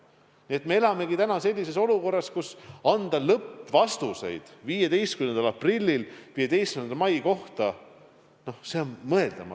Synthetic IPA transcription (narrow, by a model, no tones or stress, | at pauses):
nie̞t̪me̞e̞lɑme̞ɡit̪ænɑse̞lʲːise̞so̞luko̞rːɑskusɑnd̪̥ɑlɤpːvɑst̪use̞̰jd̪̥viːjed̪e̞jst̪kynend̪ɑlɑprilʲːilviːe̞d̪e̞jst̪kynenmɑjko̞ht̪ɑ | no̞hseonmɤe̞ld̪̥ɑmɑ̰